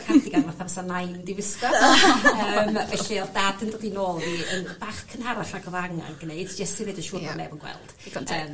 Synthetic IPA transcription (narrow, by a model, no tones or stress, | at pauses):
kʰadiɡanvarθabɛsanajndivɪskɔ | əːmvɛɬiɔdadəndɔdinoːlˠviənb̥aχkʰənhaɾaɬaɡɔvaŋa̰nɡ̥ənejd̥d͡ʒɛstiɾejdəʃuːmɔnɛ̰vənɡwɛ̰lˠd̥əːm